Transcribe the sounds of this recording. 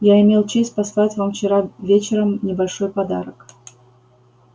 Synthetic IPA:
jaɪmʲelˠt͡ɕesʲt̚ʲpɐslˠatʲvamft͡ɕɪɾavʲet͡ɕɪɾəmnʲɪbɐlʲʂojpɐd̪a̰ɾək

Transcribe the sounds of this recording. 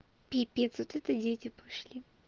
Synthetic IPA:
pʲipʲet̪sot̪ɛt̪ədʲetʲɪpɐʂlʲi

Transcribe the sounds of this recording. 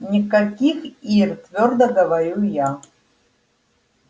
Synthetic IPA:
nʲikakʲixirt̪vʲord̪ɐɡəvaɾʲuja

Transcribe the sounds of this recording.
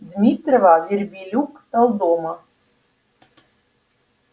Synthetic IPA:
d̪mʲit̪rəvɑvʲerʲbʲilʲukt̪əlˠd̪omɤ

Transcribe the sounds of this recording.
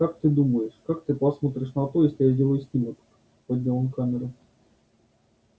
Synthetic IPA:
kakt̪ɨd̪uməjɪʂkakt̪ɨpɐsmot̪ɾʲɪʂnɐt̪ojesʲlʲɪjazʲdʲelˠəjʊsʲnʲimʲɪk̪ | podʲnʲelˠonkamʲɪɾɨ

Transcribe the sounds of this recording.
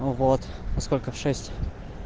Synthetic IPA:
vot̪ɐskɔlʲkəfʂɛsʲtʲ

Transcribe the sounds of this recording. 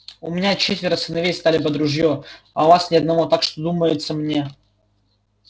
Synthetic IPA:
ʊmʲɪnʲat͡ɕet̪vʲɪɾəsɨnɐvʲejst̪alʲɪpəd̪ɾʊʐjo | ɐvasnʲɪɐd̪̚nɐvot̪akʂt̪od̪uməjɪt̪səmnʲe̞

